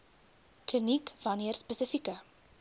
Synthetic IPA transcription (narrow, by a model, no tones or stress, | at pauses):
klinikvɐniərspəsəfikə